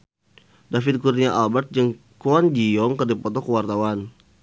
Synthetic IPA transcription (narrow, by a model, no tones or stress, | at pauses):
dafid̪̚kurniaʔalbat̪̚d͡ʒəŋ | koand͡ʒijɔŋkərdipɔt̪ɔkəwart̪awan